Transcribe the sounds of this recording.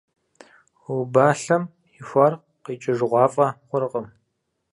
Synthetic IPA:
baːɬɐm | ixʷɐr | qiːt͡ʃʼɪʒɨʁʷɑːfʼɐχʷʊɾɨqʼəm

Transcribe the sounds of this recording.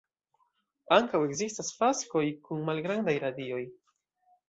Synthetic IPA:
aŋkawe̞ɡzistasfasko̞jkunmalɡɾandajɾadio̞j

